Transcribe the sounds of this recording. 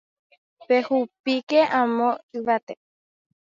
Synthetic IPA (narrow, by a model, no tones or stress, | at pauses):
pehupikeʔãmõɨʋat̪e